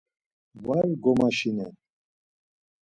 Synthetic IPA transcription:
vaɾɡɔmaʃinɛn

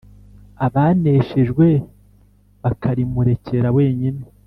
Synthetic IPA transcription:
aβane̞ʃeʒɡwe̞ | βakʰaɾimuɾe̞ceɾawe̞ːɲine

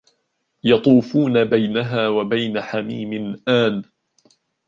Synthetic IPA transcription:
jɑt̪ˤuːfuːnabajnaɦaːwabajnaħamḭːmɪnʔaːn

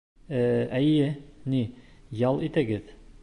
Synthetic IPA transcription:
æjɘnijɑlˠit̪æɡɘð

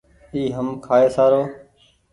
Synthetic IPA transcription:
iːɦəmkʰaːeːsaːɾoː

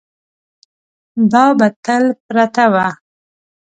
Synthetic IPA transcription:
d̪ɑbat̪alpɾat̪awa

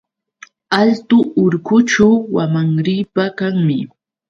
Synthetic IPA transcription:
alt̪ʊːɾkʊt͡ʃawwamaŋɾiːpakaŋmɪ

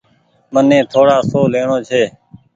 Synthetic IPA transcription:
mənẽːt̪ʰoːɽaːsoːleːɳõːt͡ʃʰeː

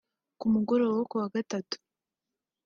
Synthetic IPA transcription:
kumuɡo̞ɾowokuwaɡatatu̥

